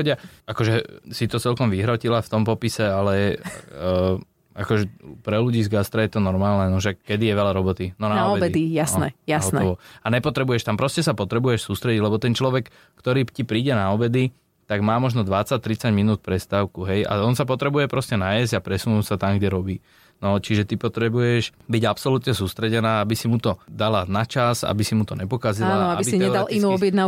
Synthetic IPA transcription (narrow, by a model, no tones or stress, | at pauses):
ɔɟɪaakɔʒɛsit̪ɔt͡sɛlkɔmʋiɦɾɔcilaft̪ɔmpɔpisɛalɛ | a̰kɔʒɛpɾɛluɟiːzɡast̪ɾajɛt̪ɔnɔɾmaːlnɛnɔʃɛkːɛd̪ijɛʋɛʎaɾɔbɔt̪inɔnaaɔbɛbɛijasnɛjasɦɔnɔʋɔaɲɛpɔt̪ɾɛbujɛʃt̪ampɾɔscɛsapɔt̪ɾɛbujɛʃsuːst̪ɾɛɟiɟlɛbɔt̪ɛnt͡ʃlɔʋɛk | kt̪ɔɾiːcipɾiːɟɛnaɔbɛd̪i | t̪aɡmaːmɔʒnɔd̪ʋat͡sac̚t̪ɾit͡saɟminuːt̪̚pɾɛst̪aːʊkuɦɛja̰ɔnsapɔt̪ɾɛbujɛpɾɔscɛnajɛzɟapɾɛsunuːsat̪amɡɟɛɾɔbiː | nɔt͡ʃiʒɛt̪ipɔt̪ɾɛbujɛʃbiɟapsɔlut̪ɲɛsuːst̪ɾɛɟɛnaːabisimut̪ɔd̪alanat͡ʃaza̰bisimut̪ɔɲɛpɔkazilaːanɔaibisiɲɛd̪alʔinuːɔbjɛd̪na